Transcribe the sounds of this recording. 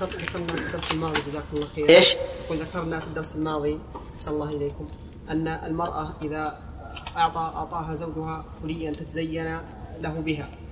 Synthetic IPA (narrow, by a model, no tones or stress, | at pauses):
qɑt̪ˤːðakɑɾˤnafid̪ːɑɾˤsalmɑːðˤid͡ʒazaːkʊmlːɑːxiːɾeːʃt̪aquːlðakɑɾˤnafid̪ːɑɾˤsalmɑːðˤiaħsanɑlˤːɑːhʔɪleːkʊm | ʔanːaʔalmɑɾˤʔɑʔɪða | ʔɑʕt̪ˤɑʔɑʕt̪ˤɑːɦazawd͡ʒʊhakʊlɪjːant̪at̪azajːan | laɦʊbɪɦa